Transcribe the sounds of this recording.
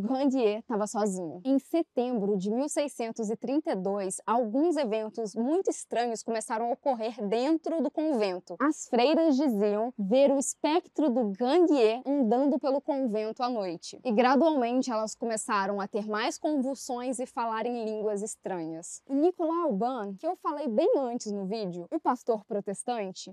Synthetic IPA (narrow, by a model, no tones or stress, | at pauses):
ʊɡɐ̃d͡ʒ̪iet̪avɐsɔzĩɲʊẽj̃set̪ẽmbɾʊd͡ʒɪmiwsejsẽnt̪ʊzɪt̪ɾĩnt̪ɐjd̪ojsawɡũzevẽnt̪ʊzmũj̃t̪ʊist̪ɾɐ̃ɲʊskomesaɾɐ̃w̃okoɦeɾd̪ẽnt̪ɾʊd̪ʊkõvẽnt̪ʊɐsfɾejɾɐzd͡ʒiziɐ̃w̃veɾʊispɛkt̪ɾʊd̪ʊɡɐ̃ɡ̪ieɐ̃nd̪ɐ̃nd̪ʊpelʊkõvẽnt̪ʊanojt͡ʃɪ̥ɪɡɾad̪uawmẽnt͡ʃɪɛlɐskomesaɾɐ̃w̃ɐt̪eɾmajskõvuwsõj̃zɪfalaɾẽj̃lĩŋɡwɐzɪst̪ɾɐ̃ɲɐsʊnikolawbɐ̃kɪewfalejbẽj̃ɐ̃nt͡ʃɪznʊvid͡ʒɪʊʊpast̪oɾpɾot̪est̪ɐ̃nt͡ʃɪ